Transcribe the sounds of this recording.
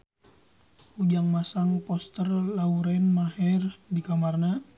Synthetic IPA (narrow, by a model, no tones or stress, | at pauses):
ud͡ʒaŋmasaŋpɔst̪ərlauɾɛnmaɦɛrdikamarna